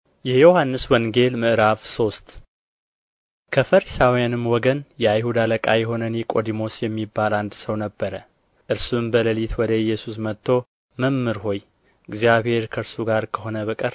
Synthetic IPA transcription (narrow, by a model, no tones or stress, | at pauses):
jɛjo̞hanːɨswɔŋɡe̞lmɨʔɨɾavso̞st̪ | kʰəfəɾisawijanɨmːwɔɡənjɛajhud̪aləkʼajɛɦo̞nənekʼo̞d̪imo̞sjɛmːibːaland̪səwnəbːəɾə | ʔɨɾsumbələlit̪ʰwɔd̪əɪjːɛsus̬mət̪ʰːo̞ | məmːɨɾho̞j | ɪɡzijaβhe̞ɾkʰəɾsuɡaɾkʰəho̞nəβəkʼəɾ